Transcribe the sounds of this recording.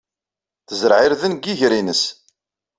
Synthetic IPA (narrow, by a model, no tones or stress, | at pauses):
θəzɾʕɪɾðənɡiʝɾinəs